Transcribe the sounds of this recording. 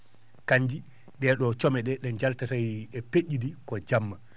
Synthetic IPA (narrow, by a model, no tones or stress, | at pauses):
kaɲd͡ʒi | ɗɛɗɔt͡ʃɔmɛɗɛɗɛɲd͡ʒaltatajɛpeʔːidikɔd͡ʒamːa